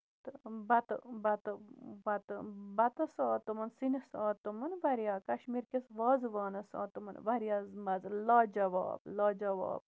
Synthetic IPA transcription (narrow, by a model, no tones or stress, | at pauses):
t̪ɨbɐt̪ɨbɐt̪ɨʋɐt̪ɨbɐt̪ɐsaːt̪ɨmɐnsinisaːt̪umɐnʋɐɾjaːkɐʃmiɾkʲesʋaːzʋaːnɐsa̰ːt̪umɐ̰nʋɐɾjaːzmɐzɨlaːd͡ʒɐʋa̰ːb̚laːd͡ʒɐʋa̰ːb̚